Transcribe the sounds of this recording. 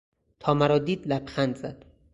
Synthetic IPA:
t̪ʰɒːmæɾɒːd̪iːd̪læbxænd̪zæd̪̥

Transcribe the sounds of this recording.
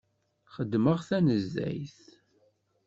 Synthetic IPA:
χəd̪ːməʁθænəzːæ̰jθ

